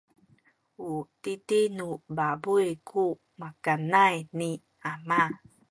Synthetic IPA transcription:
utitinubabujkʰu | makanajni | ama

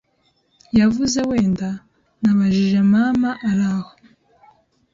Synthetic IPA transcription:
javuze̞we̞ːnda | naβaʒiʒe̞mamaʔaɾaho̞̥

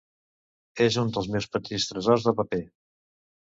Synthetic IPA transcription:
ezund̪əlˠzmɛwspət̪ist̪ɾəzɔrzðəpəpe

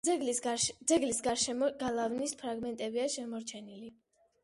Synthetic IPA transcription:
d̪zɛɡlisɡaɾʃɛmɔɡalˠavnispʰɾaɡmɛnt̪ʼɛbiaʃɛmɔɾt͡ʃʰɛnili

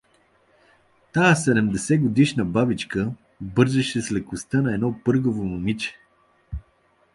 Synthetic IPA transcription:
t̪aəsɛd̪ɛmd̪ɛsɛɡod̪iʃnəbabit͡ʃkə | bɤɾzɛʃɛslɛkʊst̪ənɐɛd̪nɔpɤɾɡovomomit͡ʃɛ̥

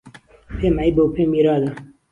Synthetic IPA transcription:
pʰeːmajbowpʰeːmiːɾɑːla

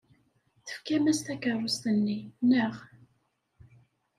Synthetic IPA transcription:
θə̥fkæmæst̪ækərˤːʊst̪ənːinːəʁ

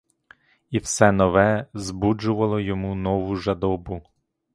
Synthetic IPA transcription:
iwsɛnɔʋɛzbud͡ʒʊʋɐlˠɔjɔmunɔʋʊʒɐd̪ɔbʊ

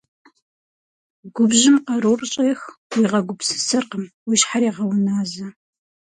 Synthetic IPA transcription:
ɡ̥ʷʊbʒɪmqɐɾoːrɕʼeːxwiːʁɐɡʷʊpsɨ̥sɐrqəmwiʃħaɾiːʁɐwʊnaːzɐ

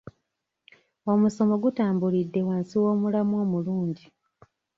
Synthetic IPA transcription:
o̞muso̞mo̞ɡutaːmbulidːe̞waːnsiwo̞ːmulamoːmuluːɲɟi

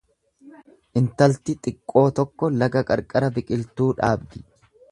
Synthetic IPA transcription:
ʔɪnt̪ɐlt̪ɪt̪ʼɪkʼːo̞ːt̪ɔkːɔlɐɡɐkʼɐɾkʼɐɾɐbɪkʼɪlt̪uːᶑaːbd̪ɪ

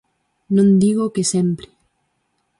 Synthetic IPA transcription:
nõnd̪iɣokesempɾe̥

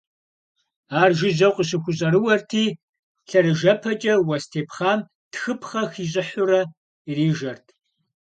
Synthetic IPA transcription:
aːrʒɪzɐqʷʼiɕ̬ɪxʷʊɕʼɐɾɨwɐrtʰiː | ɬɐɾɨʒɐpʰɐt͡ʃʼɐwɐstʰeːpχaːm | txɨpʰχɐxiːɕ̬ʼɪħʊɾɐ | iriːʒɐrtʰ

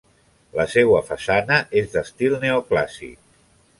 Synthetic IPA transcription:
ləsewəfasanəʔezðəst̪ilˠneoklasḭk̚

